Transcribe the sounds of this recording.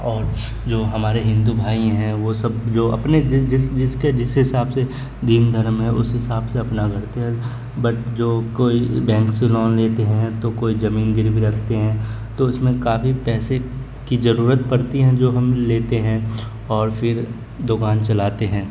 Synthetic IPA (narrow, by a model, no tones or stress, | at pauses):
ɔːɾ | d͡ʒoːɦɐmaːɾeɦɪ̃nd̪ubʱaːĩɦɛ̃ʋosɐbd͡ʒoːɐ̰pned͡ʒɪd͡ʒɪsd͡ʒɪsked͡ʒɪsɦɪsaːbse | d̪iːnd̪ʱəɾmɦɛ̃ʔʊ̰sɦɪsaːbseɐpnaɡʱɐɾt̪eɦɛ̃ | bɐʈd͡ʒoːkoːibɛ̃ːŋkselɔːnleːt̪eɦɛ̃t̪okoːizɐmiːnɡɪɾbʱiɾɐkʰt̪eɦɛ̃ː | t̪oɪsmẽkaːfipɛːse | kizɐɾuːɾət̪pɐɽt̪iɦɛ̃d͡ʒoːɦɐmleːt̪eɦɛ̃ | ɔːɾfʰɪɾ | d̪ʊɡaːnt͡ʃɐlaːt̪eɦɛ̃ː